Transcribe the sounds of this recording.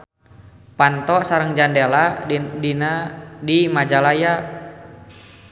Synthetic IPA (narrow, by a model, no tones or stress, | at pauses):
pant̪ɔsaɾəŋd͡ʒandeladinadimad͡ʒalaja